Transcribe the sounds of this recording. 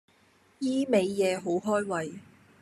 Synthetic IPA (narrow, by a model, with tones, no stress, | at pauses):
jiː˥me˨˧jjɛː˨˧ɦo˨˥wɦɔː˥jwɐ˨j